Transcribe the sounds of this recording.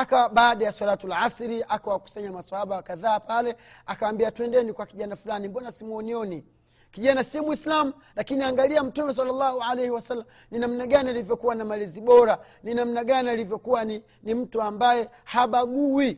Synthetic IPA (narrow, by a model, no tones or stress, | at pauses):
akaɓaːɗajaswalatulʕasɾiʔakawaku̥saɲamasahaɓawakaðaːpalɛakawambiatuɛndɛnikwakiʄanafulanimbɔnasimuɔniɔni | kiʄanasiɔmuislamu | lakiniaŋɡaliam̩tumɛs̬alːalːahuʕalejhiwasalːam | ninamnaɠanialivjɔkuwanamaliziɓɔɾa | ninam̩naɡanialivjɔkuwani | nim̩tuambajɛ | haɓaɡuwi